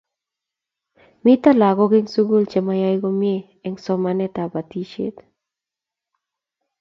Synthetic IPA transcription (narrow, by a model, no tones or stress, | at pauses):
mit̪alaɡoɡɪŋsuɡult͡ʃɛmajajɡɔmje | ɛŋsɔmanɛt̪abat̪iʃḛt̪